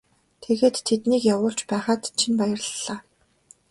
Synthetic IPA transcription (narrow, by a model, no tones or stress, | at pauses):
t̪ʰeɣeːt̪ʰːet̪niːkjawʊːɬt͡ɕpæːχaːt̪t͡ɕʰinpajə̆rɮːaː